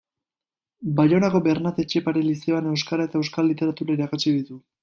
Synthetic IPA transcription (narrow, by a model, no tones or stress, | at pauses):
bajo̞nako̞be̞ɾnat̪e̞t͡ʃe̞paɾelise̞ane̞wskaɾae̞t̪ae̞wskalːit̪e̞ɾat̪uɾaiɾakusiðit̪u